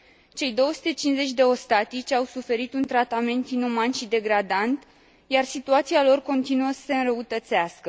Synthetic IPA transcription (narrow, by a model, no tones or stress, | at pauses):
t͡ʃe̞jd̪o̞wəsu̥t̪e̞t͡ʃinze̞t͡ʃʲd̪e̞o̞st̪at̪it͡ʃʲawsufe̞ɾit̪unt̪ɾat̪ame̞nt̪inumanʃid̪e̞ɡɾad̪ant̪ | jarsit̪uat̪sialo̞rko̞nt̪inuəsə̥se̞ɨnrɾəut̪ət̪seaskə